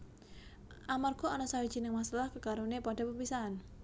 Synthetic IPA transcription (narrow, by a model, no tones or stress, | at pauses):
ʔamarɡ̥ɔanɔsawid̥d͡ʒ̥inɪŋmasalahkəkaɾunepaɖa̤pəpisan